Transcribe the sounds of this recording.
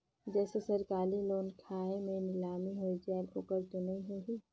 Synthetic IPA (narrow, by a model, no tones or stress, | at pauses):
d͡ʒɛːsesɐɾkaːliloːnkʰaːemẽnɪlaːmiɦoid͡ʒɛːloːkəɾt̪onɐĩɦoɦiː